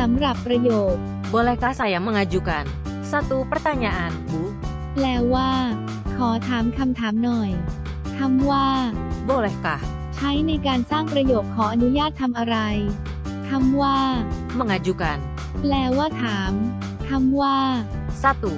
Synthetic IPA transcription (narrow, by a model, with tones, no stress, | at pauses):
sa˩˦mɾa˨˩pːɾa˧joː˨˩t̪̚ | boː˧le˧ka˧sa˧ja˨˧˦ma˧ŋa˧d͡ʒu˧ka˧n | sa˧t̪u˧pɾa˧˦t̪a˧nɲa˧ʔa˧nbu˨˦ | plɛː˧waː˥˩ | kʰɔː˩˦t̪ʰaː˩˦mkʰa˧mt̪ʰaː˩˦mnɔ˨˩j | t̪ʰa˧mwaː˥˩boː˧le˧˩ka˧ | t͡ɕʰa˦˥jna˧jkaː˧nsaː˥˩ŋpɾa˧joː˨˩k̚kʰːɔː˩˦ʔa˧nu˦˥jaː˥˩t̪ʰːa˧mʔa˧ɾa˧j | t̪ʰa˧mwaː˥˩ | ma˧ŋa˧d͡ʒu˧ka˧n | plɛː˧waː˥˩t̪ʰaː˩˦m | t̪ʰa˧mwaː˥˩ | sa˧t̪u˧